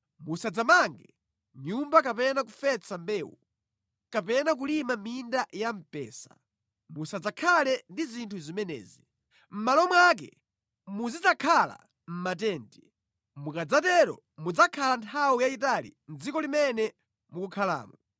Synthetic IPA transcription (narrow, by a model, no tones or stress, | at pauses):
musad͡zamaŋɡɛ | ɲumbak̬apɛnak̬ufɛt͡sʰambɛːwṵ | kapɛnak̬ulimamindajam̩pɛ̰ːsḁ̰ | musad͡zakʰalɛndizintʰuzimɛnɛ̰ːzi | m̩malɔmwak̬ɛ̰ | muzid͡zakʰala̰ | m̩mat̬ɛːnti | mukad͡zatɛɾɔ̰ | mud͡zakʰalantʰawijaitalḭnd͡zikɔlimɛnɛ | mukukʰala̰ːmɔ